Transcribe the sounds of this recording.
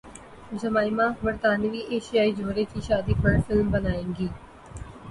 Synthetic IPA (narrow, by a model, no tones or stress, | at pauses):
d͡ʒəmaːimãːbəɾt̪aːnʋiːʔeːʃijaːiːd͡ʒoːɾeːt͡ʃiːʃaːd̪iːpəɽfʰɪlmbənaːẽːŋɡiː